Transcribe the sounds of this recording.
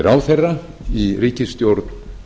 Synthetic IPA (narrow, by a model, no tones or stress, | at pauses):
ɪɾawθejrːa | iriːcɪst̪jowɾt̪n